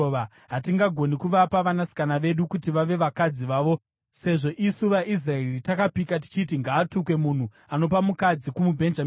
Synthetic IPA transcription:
ʋa | ɦatiŋɡaɡʱo̞nikuʋapaʋanasi̥kanaʋe̞ɗukutiʋaʋe̞ʋakad͡ziʋaːʋo̞ | se̞ʐo̞ʔisuʋaʔis̬raeritakapikat̬i̥t͡ʃit̬iŋɡaːtuk̬we̞mun̤u | ano̞p̬amukad͡zikumubʱe̞nd͡ʒamː

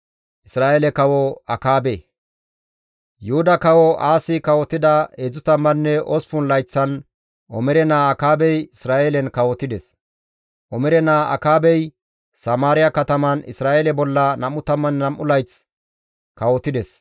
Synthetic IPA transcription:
ʔɪsɾaːʔelɛkɐwɔɐkaːbe | jʊhʊd̪ɐkɐwɔaːsɪkɐwɔt̪ːɪd̪ɐeːd͡zʊt̪ɐmːɐnːɛʔɔspʊnlɐjt͡sːɐn | ʔɔmɛɾɛnaːɐkaːbɛjɪsɾaːʔelɛnkɐwɔt̪ɪd̪ɛs | ʔɔmɛɾɛnaːɐ̰kaːbɛj | sɐmaːɾɪjɐkɐt̪ɐmɐnɪ̰sɾaːʔelɛbɔlːɐnɐmːʊt̪ɐmːɐnːɐmʔʊlɐjt͡s | kɐwɔt̪ːɪd̪ɛs

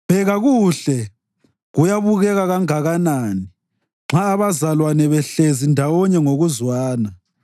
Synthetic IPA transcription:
b̥ʱɛɣaɣuɬɛ | ɣujaβuɣɛɣaɣaŋaɣanaːni | ŋ͡ǁaːβazalwanɛβɛɬezindʱawɔɲɛŋoɣuzwaːna

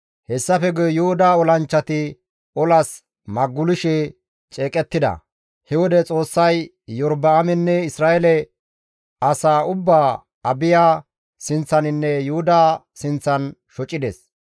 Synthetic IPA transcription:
hɛsːɐfɛɡɔjʊhʊd̪aːɔlɐnt͡ʃːɐt̪ɪ | ɔlɐs | mɐɡːʊlɪʃɛ | t͡ʃʼeːkʼɛt̪ːɪd̪ɐ̰ | hɛwɔd̪ɛt͡sʼo̞ːsːɐj | jɔɾbɐːmɛnːɛɪsɾaːɛlɛ | ɐsaːʊbːaː | ɐbɪjaː | sɪnt͡sːɐnɪnːɛjʊhʊd̪aː | sɪnt͡sːɐnʃɔt͡ʃʼːɪd̪ɛ̰s

